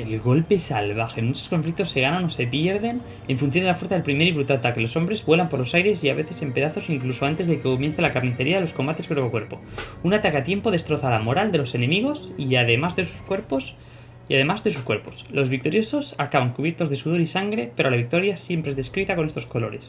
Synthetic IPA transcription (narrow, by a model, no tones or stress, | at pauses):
e̞lɣo̞lpe̞salβaxe̞nunesosko̞ɱflik̚t̪o̞sːe̞ɣ̞anano̞se̞pjeɾðe̞n | e̞ɱfunθjond̪elafweθaðepɾime̞ɾiβɾut̪alat̪akelo̞so̞mbɾe̞zβwe̞lampo̞ɾlo̞sajɾe̞siaβe̞θe̞se̞mpe̞ðaθo̞siŋkluso̞ant̪e̞zðekeko̞mje̞n̟θelakaɾniθe̞ɾiaðelo̞sko̞mbat̪e̞skɾookwe̞ɾpo̞unat̪akeat̪je̞mpo̞ðe̞st̪ɾo̞θalamo̞ɾald̪e̞lo̞se̞ne̞miɣ̞o̞siaðe̞mazðe̞su̥skwe̞ɾpos | iaðe̞mazðe̞s̬uskwe̞ɾpo̞slo̞zβik̚t̪o̞ɾjo̞so̞sakaβaŋkuβje̞ɾt̪o̞zðe̞suð̞o̞ɾisaŋɡɾe̞peɾoalaβik̚t̪o̞ɾjasje̞mpɾezðeskɾit̪ako̞ne̞st̪o̞sko̞lo̞ɾe̞̰s